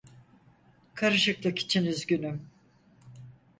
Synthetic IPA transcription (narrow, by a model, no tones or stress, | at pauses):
kʰaɾɯʃɯklˠɯki̥t͡ʃʰinyzɟynym